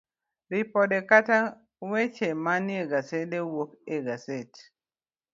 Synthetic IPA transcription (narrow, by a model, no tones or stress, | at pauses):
ɾipɔdɛkata | wɛt͡ʃɛmaniɛɡasɛdɛwokɛɡasɛt